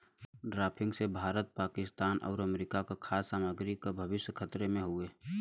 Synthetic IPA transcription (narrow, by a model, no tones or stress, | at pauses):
ɖɾaːpʰɪ̃ŋɡsebʱaːɾət̪̚paːkɪst̪aːnʔɔ̰ːɾəmɾikakakʰaːsːaːməɡɾikabʱəbɪsjkʰət̪ɾemẽɦʊeː